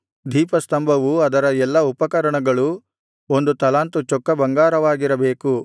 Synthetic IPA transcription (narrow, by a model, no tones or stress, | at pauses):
d̪ʱiːpɐst̪ɐmbʱɐʋuɐd̪ɐɾɐɛlːɐupɐkɐɾɐɳɐɡɐɭu | o̞nd̪ut̪ɐlaːnt̪ut͡ʃɔkːɐbɐŋɡaːɾɐʋaːɡiɾɐbeːku